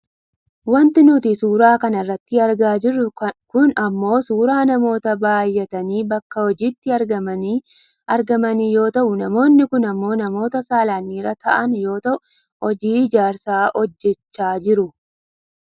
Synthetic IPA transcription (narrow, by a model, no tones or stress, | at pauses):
wɐnt̪ɪnʊt̪ɪsuːɾaːkɐnɐrːɐt̪ːɪɐɾɡaːd͡ʒɪrːʊkʊnɐmːo̞ːsuːɾaːnɐmo̞ːt̪ɐbaːjːɛt̪ɐniːbɐkːɐhɔd͡ʒiːt̪ːɪɐɾɡɐmɐi | ʔɐɾɡɐmɐniːjo̞ːt̪ɐʔʊnɐmo̞ːnːɪkʊnɐmːo̞ːnɐmo̞ːt̪ɐsaːlaːnːiːɾɐt̪ɐʔɐnjo̞ːt̪ɐʊ | ɔd͡ʒiːɪd͡ʒaːɾsaːʔɔd͡ʒːɛt͡ʃːaːd͡ʒɪɾʊ